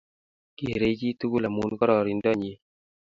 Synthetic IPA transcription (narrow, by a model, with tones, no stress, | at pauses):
kḛ˨ɾe˦d͡ʒi˦tu˦ɡu˦la˨mu˦nkɔ˦ɾɔ˨ɾi˨ndɔ˦˨ɲe˨˦